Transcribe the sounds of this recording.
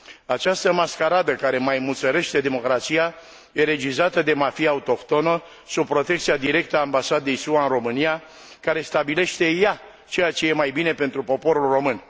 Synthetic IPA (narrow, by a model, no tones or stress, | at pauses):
at͡ʃast̪əmaskaɾad̪əkaɾe̞majmut̪səɾe̞ʃt̪e̞d̪e̞mo̞kɾat̪sija | je̞ɾe̞d͡ʒizat̪əd̪e̞mafijaut̪o̞kt̪o̞nə | sub̚pɾo̞t̪ekt̪sijad̪iɾe̞k̚t̪əaːmbasad̪e̞jsuaɨnro̞mɨnija | kaɾe̞st̪abile̞ʃt̪e̞ja | t͡ʃe̞jat͡ʃe̞je̞majbine̞pe̞nt̪ɾupo̞po̞ɾulro̞mɨn